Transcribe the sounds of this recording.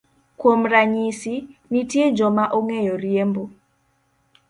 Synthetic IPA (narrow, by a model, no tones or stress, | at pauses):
kwomraɲisinitjed͡ʒɔmaʔoŋejɔɾiembo